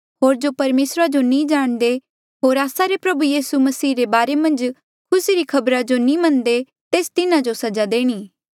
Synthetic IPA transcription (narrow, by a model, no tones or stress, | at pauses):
ɦoːɾd͡ʒopɐɾmeːsɾad͡ʒonĩd͡ʒaːɽ̃d̪e | ɦoːɾaːsaɾepɾɐbujiːsumɐsiːɾebaːɾemɐ̃nd͡ʒ | kʰʊsiɾikʰɐbɾad͡ʒonĩmɐ̃nd̪e | t̪eːst̪ɪnãd͡ʒosɐd͡ʒad̪eːɽ̃iː